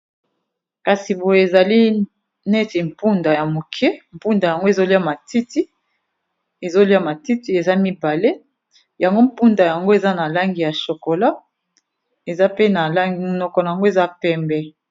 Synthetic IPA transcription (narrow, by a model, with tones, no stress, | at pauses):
ka˨si˨bo˨je˨e˨za˨li˦ | nɛ˦ti˨m̩˨pu˦nda˨ja˨mo˨kʰɛ˦m̩˨pu˦nda˨ja˨ŋɡo˦e˨zo˦li˦a˦ma˨ti˦ti˦ | e˨zo˦li˦a˦ma˨ti˦ti˦e˨za˦mi˦ba˨le˦ | ja˨ŋɡo˦m̩˦˨pu˦nda˨ja˨ŋɡo˦e˨za˦na˨la˦ŋɡi˨ja˨ʃo˨ko˨la˦ | e˨za˦pe˦na˨la˦ŋɡi˨mo˨nɔ˨kɔ˨na˨ja˨ŋɡo˦e˨za˦pɛ˦mbɛ˦